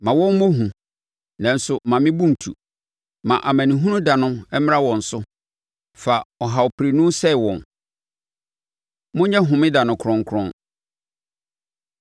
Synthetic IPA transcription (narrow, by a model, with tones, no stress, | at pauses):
mã˨wɔ̃˦n˦mõ˦ɦũ˨ | nã˨n̩˦sʊ˨mã˨mɪ̃˦bũ˦n˨tʰṵ˨ | mã˨ʔa˨mæ̃˨nĩ˨ɦũ˦nʊ̃˦da˨nʊ̃˦mɛ˦m˦ã˦wɔ̃˨n̩˨sʊ˦ | fa˨ɔ˨ɦa˨ɔ˨pʰɾi˨nũ˦sɛ˦˨wɔ̃˨n | mʊ̃˦ɲɛ̃˦ɦʊ̃˨mɪ̃˦da˨nʊ̃˨kʰɾɔ̃˦ŋ˦kʰɾɔ̰̃˦n